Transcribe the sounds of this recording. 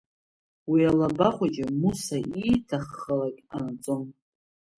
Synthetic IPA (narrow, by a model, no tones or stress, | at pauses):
wialabaχʷad͡ʒʼamusaiːtʰaχːəlakʲʼant͡sʼon